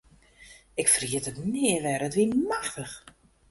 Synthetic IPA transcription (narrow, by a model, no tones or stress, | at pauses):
ɪkfriətətnɪəʋɛɾətʋimaxtəx